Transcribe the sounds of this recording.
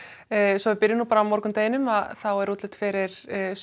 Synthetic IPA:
sɔvɪpɪɾjɪnuːpaːɾawmɔɾkʏmt̪eːjɪnʏmaðθawɛɾut̪lɪt̪fɪɾɪɾ̥

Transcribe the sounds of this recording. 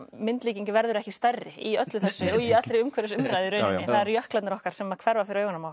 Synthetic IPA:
mɪnt̪liːciɲcɪvɛɾðʏɾɛhcɪst̪arːɪiœt̪lʏθɛsːʏɔiat̪ɾeʏmkʰvɛɾɪsʏmɾajðɪɾœɥɪnɪθaðɛɾjœhklat̪nɪɾɔhkaɾ̥sɛmːakʰv̥ɛɾvafɪɾʏœːjɣʏnamaːwl

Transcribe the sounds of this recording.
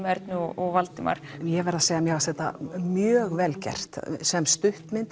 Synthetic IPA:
mɛɾt̪nʏɔɔɣvalt̪ɪma̰ɾ̥jɛvɛɾðaseːjamjɛɣvasθɛht̪ːa̰mjœːɣvɛlcɛ̰r̥t̪sɛmst̪ʏht̪mɪnt̪

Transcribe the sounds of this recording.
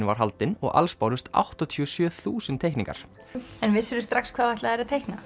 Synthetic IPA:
nva̰ɾ̥ɦalt̪ɪnɔ̰ɣʔa̰lspawɾʏst̪a̰wht̪ɔt̪ʰyɔsjœːθuːsɪnt̪ʰːejhknĩŋka̰ɾ̥ | ɛnvɪsʏɾʏst̪ɾakskʰvaːvajht̪laðɛɾaðt̪ʰejhkna

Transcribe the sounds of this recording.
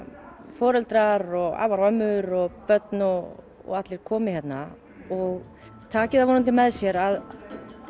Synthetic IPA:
fɔːɾɛlt̪ɾaɾɔɣa̰ːvaɾvœmʏɾɔɣpœt̪nɔ | ɔ̰ɣat̪lɪɾ̥kʰɔːmɪ̥çɛt̪na | ɔɣ | t̪ʰaːcɪðavɔnʏnt̪̬ɪmɛðsjɛɾað

